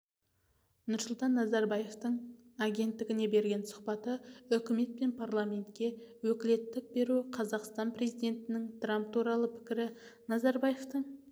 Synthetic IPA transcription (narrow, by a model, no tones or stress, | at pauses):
nʊɾsʊlˠt̪ɑnːɑzɑɾbɑje̞ft̪əɴaɡʲe̞nt̪ːɪɡʲɪne̞be̞ɾɡʲe̞nsʊ̥qpɑt̪əʏkʲɪme̞t̪̚pe̞npʰarlˠamʲe̞nt̪kʲe̞wɵkʲɪle̞t̪ːɪk̚be̞ɾuqʰɑzɑqst̪ɑnpre̞zijd̪ʲe̞nt̪ɪnɪŋt̪ʰramp̚t̪ʰuɾɑlˠəpʰɪ̥kʲɪɾɪnɑzɑɾbaje̞ft̪əɴ